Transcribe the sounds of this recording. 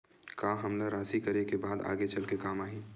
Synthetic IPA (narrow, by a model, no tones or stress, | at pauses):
kaːɦɐmlaɾaːsikɐɾekebaːd̪a̰ːɡet͡ʃɐlkekaːmaːɦĩː